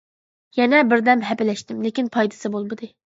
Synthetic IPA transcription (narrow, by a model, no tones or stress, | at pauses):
jɛnɛbɪɾd̪ɛmɦɛpɪlɛʃt̪ɪmlekʲinpʰɑjd̪ɨ̥sɨbolˠmɨd̪ɨ